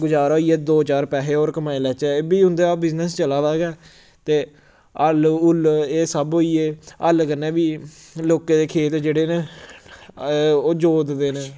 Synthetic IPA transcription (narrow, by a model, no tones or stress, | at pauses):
ɡʊd͡ʒaːɾoːiːɛːd̪oːt͡ʃaːɾpɛːɦeːoːɾkəmaːelɛːt͡ʃɛːeːbiːɦʊ̃nd̪eːaːbɪznəst͡ʃəlaːʋɛːɡɛː | t̪eː | əlʊleːsəboːiːeːəlkəneːbiːloːkẽːd̪eːkʰeːt̪d͡ʒeːɽeːneː | oːd͡ʒoːd̪d̪eːneː